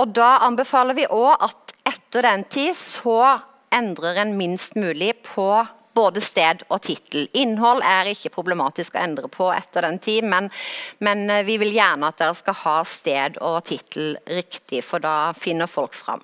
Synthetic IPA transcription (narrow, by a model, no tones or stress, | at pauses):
ɔd̪ɑːɑnbɛfɑːləɾʋɪʔɔʔɑt̪ɛt̪ːəʁd̪ɛnt̪ʰiːsɔ | ɛnd̪ɾəɾɛnmɪnst̪mʉːlɪpʰɔ | boːd̪əst̪eːd̪ɔt̪ʰɪt̪l̩ɪnːɦɔlːæɾɪçːəpʰɾʊblɛmɑːt̪ɪskɔ̰ɛnd̪ɾəpʰɔɛ̰t̪ːəd̪ɛnt̪ʰiːmɛnmɛnʋɪʋɪljæːʁɳəɑt̪̚d̪ɛɾəskɑhɑːst̪eːd̪ɔt̪ʰɪt̪ʰl̩ɾɪkt̪ʰɪfɔɖɑːfɪnːəɾfɔlkfɾɑ̰mː